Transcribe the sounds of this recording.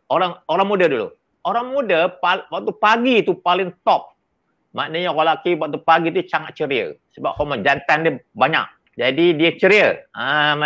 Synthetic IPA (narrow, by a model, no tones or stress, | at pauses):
oɾaŋoɾaŋmudədulṵ | oɾaŋmudəpawak̚t̪upaɡit̪upalɪŋt̪ɔp̚ | maʔnəɲəɣalakiwak̚t̪upaɡit̪usaŋat̪̚t͡ʃəɾiə̰səba̰p̚hɔmɔd͡ʒant̪andəbaɲa̰k̚ | d͡ʒadidiət͡ʃəɾiəə